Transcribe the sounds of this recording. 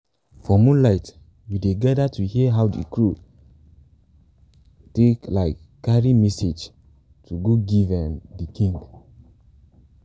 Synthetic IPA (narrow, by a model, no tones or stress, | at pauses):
fɔmũnlaɪt | judeɡadatuhiəɦawdḛkɹu | teklaɪkːaɹimɛsed͡ʒ | tʰuɡoɡivɛ̃ndikʰĩŋɡ